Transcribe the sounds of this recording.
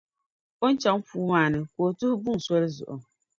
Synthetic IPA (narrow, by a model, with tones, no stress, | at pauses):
o˦n˦t͡ʃa˨˦ŋfuː˦maː˨nɨ˨ko˨tʊ˦hʊ˦bu˦ŋ˨sɔ˦lɨ˦zʊ̰˨ʔʊ̰˨